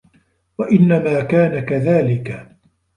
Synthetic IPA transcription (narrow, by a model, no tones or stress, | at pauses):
waʔɪnːamaːkaːnakaðaːlɪka